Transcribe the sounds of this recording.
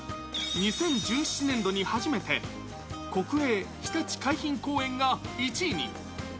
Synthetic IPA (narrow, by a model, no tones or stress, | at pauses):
ɲ̟isẽ̞ɲ̟d͡ʑɨːɕi̥t͡ɕinẽ̞nd̪o̞ɲ̟ihaʑime̞t̪e̞ | ko̞kɯ̟eːçi̥t̪at͡ɕi̥kaiçĩŋko̞ːẽ̞ŋɡait͡ɕiːɲʲḭ